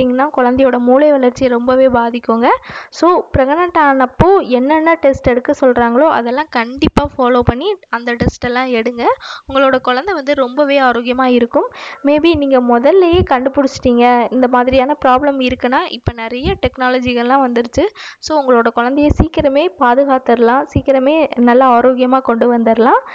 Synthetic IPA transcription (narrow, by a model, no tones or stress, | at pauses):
iŋɡɐnãːkɔɻɐnd̪ɛjoːɽɐmuːlɐɪʋɐɭɐɾt͡ʃːɪjɐɾɔmbɐʋeːbaːðɪkːoːŋɡɐsoːpɾɐɣɐnɐʈːaːnɐpːoːɛnːɐnːɐʈɛsʈɛɽɯkːɯsɔlɾaːŋɡɐɭoːʔɐ̰ðɛlːãːkɐɳɖɪpːaːfaːloːpɐɳːiɐnd̪ɐʈɛsʈɛlːãːɛɽɯŋɡɐʊŋɡɐɭoːɽɐkɔɻɐnd̪ɛʋɐnd̪ɯɾɔmbɐʋeːaːɾoːɣɪjɐmaːɪɾɯkːɯmːeːbiniːŋɡɐmɔðɐlːɐjeːkɐɳɖɯpʊɽɪt͡ʃːɪ̥ʈːiːŋɡɐɪnd̪ɐmaːðɪɾɪjaːnɐpɪɾaːblɐmɪɾɯkːɐnːaːʔɪpːɐnɪɾɐjɐʈɛknaːlɐd͡ʒɪɣɐɭlːãːʋɐnd̪ɯɾɯt͡ʃːɯsoːʊŋɡɐɭoːɽɐkɔɻɐnd̪ɛjɐsiːkɪɾɐmeːpaːðɯɣaːt̪ɐɾɯlãːsiːkːɪɾɐmeːnɐlːɐaːɾoːɡɪjɐmaːkɔɳɖɯʋɐnd̪ɐɾlãː